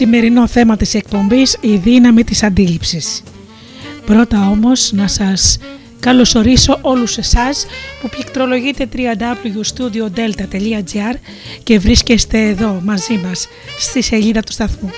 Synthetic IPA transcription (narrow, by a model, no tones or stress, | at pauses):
sime̞ɾino̞θe̞mɐt̪ise̞k̚po̞mbisiðinɐmit̪isɐnd̪ilipsis | pɾo̞t̪ɐo̞mo̞znɐsɐs | kɐlo̞so̞ɾiso̞ʔo̞luse̞sɐspuplikt̪ɾo̞lo̞ʝit̪e̞t̪ɾiɐnd̪ɐɐpluʝust̪ud̪io̞d̪e̞lt̪ɐt̪e̞ʎiɐd͡ziɐɾ | ce̞vɾisce̞st̪e̞ːðo̞mɐzimɐsː | t̪ise̞ʎiðɐt̪u̥st̪ɐθmu